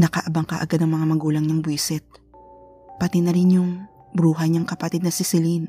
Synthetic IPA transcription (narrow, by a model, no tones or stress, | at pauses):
nɐkɐʔɐbɐŋka̰ʔɐ̰ɡad̪ɐŋmɐŋamɐɡuːlɐŋɲaŋbwisɛt̪̚ | pɐt̪ɪnɐɾɪnjʊŋ | bɾuːɦɐɲaŋkɐpɐt̪ɪd̪nɐsɪsɪlin